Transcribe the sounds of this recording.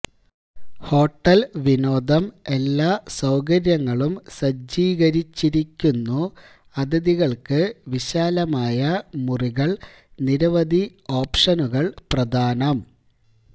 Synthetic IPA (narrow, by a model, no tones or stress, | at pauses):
ho̞ːʈːɐlʋino̞ːd̪ʱɐme̞lːaːsɐwkɐɾjɐŋːɐɭumsɐd͡ʑiːɣɐɾit͡ɕːiɾikʲːunːu | ɐd̪ɐðiɣɐɭkɨʋiɕaːlɐmaːjɐmuriɣɐɭ | niɾɐʋɐd̪ʱio̞ːpʂɐnuɣɐɭprɐd̪ʱaːnɐm